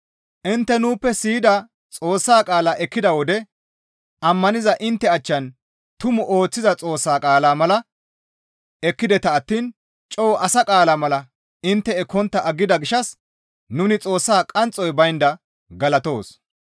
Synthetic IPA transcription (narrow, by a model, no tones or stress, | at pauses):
ʔɪnt̪ːɛnuːpːɛsiːd̪ɐ | t͡sʼo̞ːsːaːkʼaːlaːʔɛkːɪd̪ɐwɔd̪ɛ | ʔɐmːɐnɪzɐʔɪnt̪ːɛɐt͡ʃːɐn | t̪ʊmʊʔo̞ːt͡sːɪzɐt͡sʼo̞ːsːaːkʼaːlaːmɐlɐ | ɛkːɪd̪ɛt̪ɐːt̪ːiːn | t͡ʃʼɔwʔɐsɐkʼaːlaːmɐlɐ | ɪnt̪ːɛɛkɔnt̪ːɐʔɐɡːɪd̪ɐɡɪʃɐs | nʊnɪt͡sʼo̞ːsːaːkʼɐnt͡sʼːɔjbɐjnd̪ɐ | ɡɐlɐt̪o̞ːs